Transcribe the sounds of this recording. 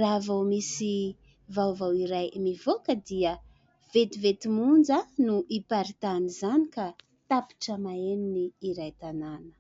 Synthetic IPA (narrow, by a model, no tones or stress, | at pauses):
ravowmisi | vawvawiɾajmivokəd̪iə | v̥et̪ivet̪imund͡zanuʔipaɾit̪anizanika | t̪api̥ʈ͡ʂəmaeniniːɾajt̪ananə̥